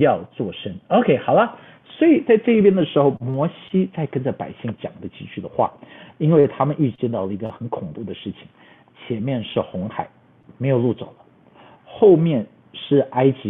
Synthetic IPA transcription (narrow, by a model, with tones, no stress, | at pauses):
jɑ˥˧ʊt͡swɔ˥˩ʂə˥no˧ʊkʰe˥˩ɪxɑ˨˩ʊlə˦ | swɔ˧˥i˨˩t͡sa˥˧ɪʈ͡ʂɤ˥˧i˥˩pjɛ˥nd̪ə˨ʂɻ̩˧˥xo˧˩ʊmwɔ˧˥ɕi˥t͡sa˥˩ɪkə˥nʈ͡ʂə˨˩pa̰˨˩ɪɕi˥˩ŋt͡ɕjɑ̰˨˩ŋd̪ə˦t͡ɕi˥t͡ɕʰy˥˩d̪ə˩xwa̰˥˩i˥nwe˥˩ɪt̪ʰa˥mə˨nʔi˥˩˧t͡ɕjɛ˥˧nt̪ɑ˥˩ʊlə˩i˧˥ɡə˧xə˧˥nkʰʊ˨˩ŋpu˥˩d̪ə˩ʂɻ̩˥˩t͡ɕʰi̥˨˩ŋ | t͡ɕʰjɛ˧˥nmjɛ˥˧nʂɻ̩˥˩xʊ˧˥ŋxa˨˩˦ɪ | me˧˥ɪjo˨˩lu˥˩t͡so̰˨˩ʊlə˦ | xo˥˧ʊmjɛ˥˧n | ʂɻ̩˥˩a˥ɪt͡ɕi˧˥